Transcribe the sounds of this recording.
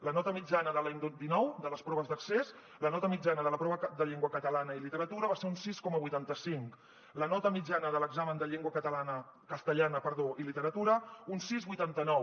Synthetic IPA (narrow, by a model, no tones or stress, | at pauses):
lənɔt̪əmid͡ʒanəðəlaɲd̪od̪inɔwd̪ələspɾɔβəzðəkses | lənɔt̪əmid͡ʒanəðələpɾɔβəd̪əʎeŋɡwəkət̪əlanəilit̪əɾət̪uɾəβaseunsiskɔməβujt̪ant̪əsiŋk | lənɔt̪əmid͡ʒanəðələɡzamənd̪əʎeŋɡwəkət̪əlanə | kəst̪əʎanəpəɾðoʔilit̪əɾət̪uɾəunsizβujt̪ant̪ənɔw